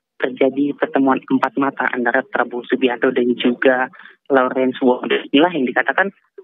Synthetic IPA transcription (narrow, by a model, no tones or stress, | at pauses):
t̪ərd͡ʒadipərt̪əmuanəmpat̪̚mat̪a̰ʔa̰ndaɾat̪ːɾabusubiat̪odaɾid͡ʒuɡa | lɔɾɛnswɔŋdainilaɦjaŋdikat̪akan